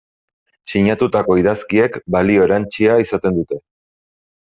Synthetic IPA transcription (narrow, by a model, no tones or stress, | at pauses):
siɲat̪ut̪ako̞iðaskie̞kbalio̞eɾant͡ʃiaisat̪e̞nd̪ut̪e̞